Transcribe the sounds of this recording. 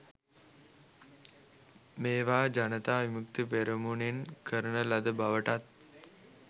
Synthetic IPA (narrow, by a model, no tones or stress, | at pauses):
meːʋaːd͡ʒanət̪aːʋimukt̪ipeɾəmunenkʰəɾənəlad̪əbaʋəʈat̪̚